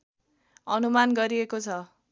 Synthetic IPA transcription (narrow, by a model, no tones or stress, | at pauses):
ʌnumanɡʌɾiekot͡sʰʌ